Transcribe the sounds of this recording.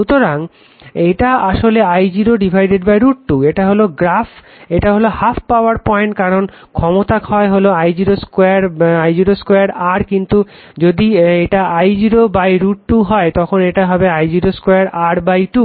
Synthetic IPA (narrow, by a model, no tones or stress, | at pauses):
ut̪oɾaŋ | eʈaaʃoleajd͡ʑiɾoɖibʱajɖeɖbajɾuʈ̚ʈueʈaɦoloɡɾaf | eʈaɦolohafʰpawaɾpɔeɳʈ̚kaɾon | kʰɔmot̪akhɔeɦoloajd͡ʑiɾoskejaɾajd͡ʑiɾoskojaɾaɾkint̪u | d͡ʑod̪ieʈaajd͡ʑiɾobajɾuʈʈuɦɔet̪ɔkʰoneʈaɦɔbeajd͡ʑiɾoskojaɾaɾbajʈu